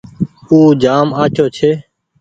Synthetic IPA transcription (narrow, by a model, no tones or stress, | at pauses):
uːd͡ʒaːmaːt͡ʃoːt͡ʃʰeː